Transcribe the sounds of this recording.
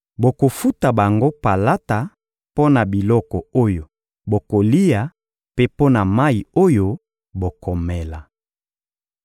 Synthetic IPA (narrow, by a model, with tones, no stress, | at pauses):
bo˨ko˨fu˦ta˨ba˨ŋɡo˦pa˨la˦ta˨ | po˦na˨bi˨lɔ˦kɔ˨o˦jo˨ | bo˨ko˨li˦ja˨ | pe˦po˦na˨ma˦i˨o˦jo˦ | bo˨kʰɔ˨mɛ˨la˨